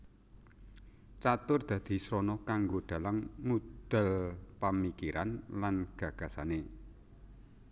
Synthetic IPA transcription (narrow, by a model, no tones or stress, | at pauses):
t͡ʃat̪ʊrd̪̥ä̤d̪̥i̤sɾɔnɔkaŋɡoɖ̪̥a̤laŋmud̪̥ə̤lpamikiɾanlanɡ̥ä̤ɡ̥ä̤sane